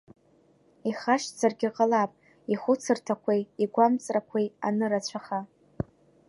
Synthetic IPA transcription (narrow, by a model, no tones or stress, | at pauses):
iχaʃt͡sʰarɡʲiqʼalapʼ | iχʷʊt͡sʰɨrtʰakʷʰejiɡʷamt͡sʼrakʷʰeja̰nɨrat͡ɕʷʰaχa